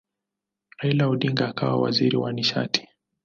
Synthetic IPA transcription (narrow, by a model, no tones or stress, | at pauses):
ailauɗiŋɡaːkawa̰wa̰ziɾiwaniʃa̰ti̥